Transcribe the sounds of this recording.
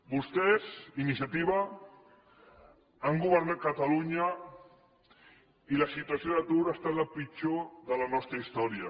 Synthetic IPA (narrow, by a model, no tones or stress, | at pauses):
bust̪ɛzinisjat̪iβa | aŋɡuβəɾnat̪̚kət̪aluɲə | iləsit̪uasjoðət̪uɾəst̪at̪ləpit͡ʃoðələnɔst̪ɾəist̪ɔɾiə